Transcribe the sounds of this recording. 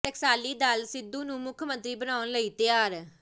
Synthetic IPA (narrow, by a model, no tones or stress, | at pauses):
əksaːliːd̪alsɪd̪ːũːnũːmʊkʰmə̃nt̪ɾiːbənaːʊnləiːt̪ɪjaːɾ